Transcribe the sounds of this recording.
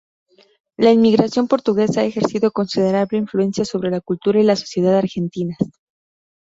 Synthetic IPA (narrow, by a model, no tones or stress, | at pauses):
lainmiɣɾasjo̞mpo̞ɾt̪uɣe̞saaexe̞ɾsiðo̞ko̞nsið̞e̞ɾaβle̞iɱflue̞nsjaso̞βɾe̞lakult̪uɾailaso̞̥sje̞ðaðaɾxe̞nt̪ina